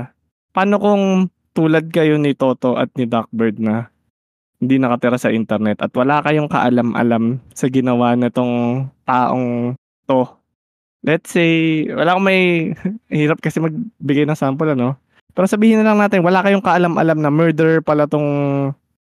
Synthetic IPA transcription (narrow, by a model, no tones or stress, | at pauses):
paːno̞koŋ | t̪uːlɐd̪̚kɐjonɪt̪o̞ːt̪o̞ʔɐ̰t̪̚nɪd̪ak̚bɛɹd̪̚nɐ | hɪnd̪inɐkɐt̪ɪɾasɐʔɪnt̪ɛɾnɛt̪ʔɐt̪wɐlaːkɐjoŋkɐ̰ʔɐlamʔɐ̰lamsɐɡɪnɐwanɪt̪o̞ŋt̪aːʔoŋ | t̪o̞ | lɛt̪sejwɐ̰laːkomɐj | hiːɾɐp̚kɐsɛmɐɡ̚bɪɡajnɐŋsaːmpolɐno̞ | pɛːɾosɐbiːhɪnɐlɐŋnaːt̪ɪnwɐlakɐjoŋkɐʔɐlamʔɐ̰lamnɐmɛɹd̪ɛɹpɐlɐt̪oŋ